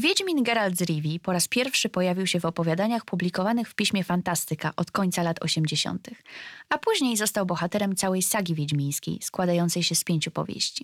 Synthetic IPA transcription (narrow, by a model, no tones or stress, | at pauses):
vʲjed͡ʑmʲinɡɛɾald̪zɾʲivʲipɔɾaspʲjɛɾfʂɘpɔjavʲiwɕɛvɔpɔvʲjad̪aɲaxpublʲikɔvanɘxfpʲiɕmʲjɛfant̪ast̪ɘkaʔɔt̪kɔɲt̪salat̪ʰɔ̰ɕɛmd͡ʑeɕɔ̰nt̪ɘxapuʑɲejzɔst̪awbɔxat̪ɛɾɛmt̪sawɛjsaɡʲivʲed͡ʑmʲĩɲ̃skʲḛjskwad̪ajɔnt̪sɛjɕɛspʲjeɲt͡ɕupɔ̰vʲjḛɕt͡ɕi̥